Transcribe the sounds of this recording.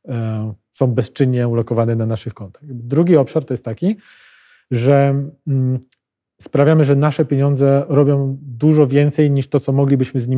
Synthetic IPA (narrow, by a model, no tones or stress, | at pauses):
sɔ̃w̃bɛst͡ʂɘɲːɛulɔkɔvanɛnanaʂɘxkɔnt̪ḁxd̪ɾuɡʲiɔpʂaɾt̪ɔjɛst̪t̪ːakʲi | ʐɛ | spɾavʲjamɘʐɛnaʂɛpʲjeɲɔnd̪zɛɾɔbʲjɔ̃w̃d̪uʐɔvʲjɛnt̪sɛjɲiʂt̪ɔt̪sɔmɔɡlʲibɘɕmɘzɲi